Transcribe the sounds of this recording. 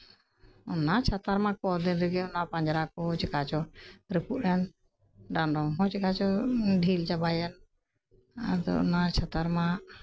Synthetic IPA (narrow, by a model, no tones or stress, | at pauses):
ɔnat͡ʃʰat̪aɾmãkɔd̪inɾɛɡɛɔnapaɲd͡ʒɾakɔt͡ʃɛkat͡ʃɔɾəpuʔɛn | ɖanɖɔɦɔ̃t͡ʃikat͡ʃɔɖʱilt͡ʃabajɛn | ad̪ɔ̰ɔ̰nat͡ʃʰat̪aɾma